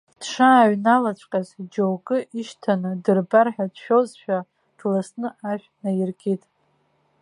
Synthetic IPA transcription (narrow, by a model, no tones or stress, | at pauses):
d̥ʂaːɥnalat͡ʃʷʼqʼazd͡ʒowɡʼɨʔiʃtʰanɨdɨrbarħᶣadʃᶣozʃᶣa | d̥lasnɨaʃᶣnajɪrɡʲʼitʼ